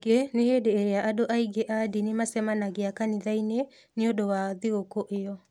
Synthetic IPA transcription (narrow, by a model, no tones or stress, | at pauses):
ɡeneheːdeːɾeaʔadoʔaiɡeʔadinemasɛmanaɣeakaniðaine | neodowaðeokoʔejɔ